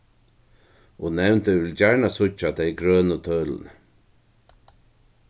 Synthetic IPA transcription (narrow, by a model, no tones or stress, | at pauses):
ɔnɛwnt̪ɪvɪld͡ʑaɹɳasʊt͡ʃːat̪ʰejɡɾœːnət̪ʰœːl̰n